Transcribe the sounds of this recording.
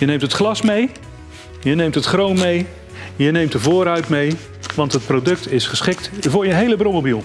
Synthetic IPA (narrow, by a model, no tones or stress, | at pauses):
jənejmtətχlɑsmej | jənejmtətχrownmej | jənejmtəvʊːɾœɥtmej | ʋɑntɦət̚prowdɵk̚tɪsχəsχɪktvʊːɹjənɦejləbromobilˠ